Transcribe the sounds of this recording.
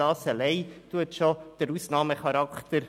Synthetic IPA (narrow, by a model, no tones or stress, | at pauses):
ɑːsəlɛɪtuətʃɔd̪̥əɾusnɑːməχɑɾɑkχt̪əɾ